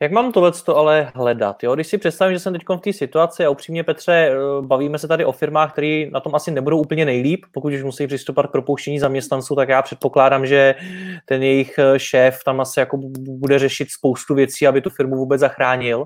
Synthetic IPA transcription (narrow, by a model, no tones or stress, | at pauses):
jakmaːmt̪odlɛt͡st̪oalɛɦɦlɛda̰t̪joɡdɪʃsɪpr̝̥ɛt̪st̪avɪmʒɛsɛmt̪ɛckonft̪iːsɪt̪uat͡sɪaupr̥iːmɲɛpɛt̪r̝̥ɛbaviːmɛsɛt̪adɪʔo̞fɪɾmaːxk̚t̪ɛɾiːnat̪o̞mʔasɪnɛbudowʔupl̩ɲɛnɛjliːppokuc̪uʃmusɛipr̥ɪst̪opovat̪k̚pɾopowʃcɛɲiːzamɲɛst̪nant͡suːt̪akjaːpr̝̥ɛt̪po̞klaːdamʒɛt̪ɛnjɛjɪxʃɛːft̪amʔasɪjakobudɛrɛʃɪt̪spo̞wst̪uvjɛt͡siːabɪt̪ufɪɾmuvuːbɛd͡zzaxɾaːɲɪl